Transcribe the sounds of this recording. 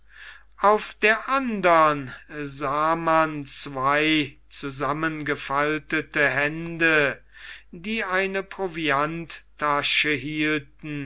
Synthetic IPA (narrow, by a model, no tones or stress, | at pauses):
ʔaʊfd̥eːɐʔandɐnzaːmant͡sv̥aɪ | t͡suzamənɡəfaltətəɦɛndə | diːaɪnəpʁoviantʰː | aʃəɦiːltn̩